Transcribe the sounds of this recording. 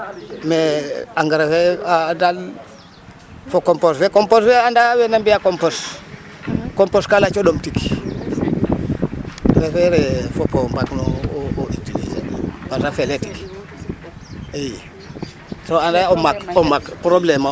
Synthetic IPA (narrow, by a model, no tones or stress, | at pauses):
meaŋɡəɾefeadal | fokomposfekomposfeandawenambijakompos | komposkalat͡ʃodomtiki̥ | wefeɾefopombaknooʔitilḭzḛpatafeleti̥k | eje | soandaomakomakpɾoblema